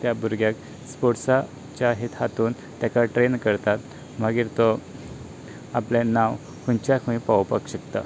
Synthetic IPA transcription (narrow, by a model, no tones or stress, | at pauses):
t̪jabuɾɡjak | spoʈsa | t͡ɕjaɦet̪ʰat̪uːn | t̪jakaʈɾenkəɾt̪at̪̚ | m̤əɡiːɾt̪o | aplẽnãw | kʰuɲt͡ɕjakʰũĩpaʋpəkɕəkt̪ə